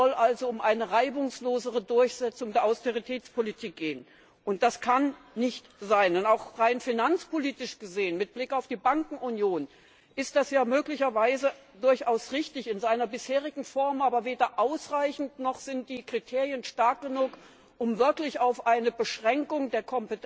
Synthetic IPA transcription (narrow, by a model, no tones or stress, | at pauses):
zɔlʔalzoʊmʔaɪnəʁaɪbʊŋsloːzəʁ̞ədʊɐçz̥ɛt͡sʊŋdeːɐʔaʊsteʁ̞itʰɛːt͡spʰolitʰiːk̚ɡ̥eːən | ʔʊnt̚d̥askʰan | nɪçtz̥aɪnɛnaʊxʁaɪnfinant͡spoliːtɪʃɡ̥əzeːənmɪt̚b̥lɪkaʊfd̥iːbaŋkŋ̩ʊnjoːn | ʔɪstd̥asjaːmøːklɪçɐvaɪzə | dʊɐçʔaʊsʁɪçtɪçɪnzaɪnɐbɪsheːʁɪɡŋ̩fɔɐmʔaːbɐveːdɐʔaʊsʁaɪçn̩tnɔχz̥ɪnt̚d̥iːkʁ̥itʰeːʁjənʃtaɐk̚ɡ̥ənuːk | ʔʊmvɪɐklɪçaʊfʔaɪnəbəʃʁ̥ɛŋkʊŋdeːɐkʰɔmpət